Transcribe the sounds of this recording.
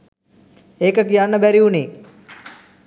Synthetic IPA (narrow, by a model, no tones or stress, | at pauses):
eːkək̬ijanːəbæɾiuni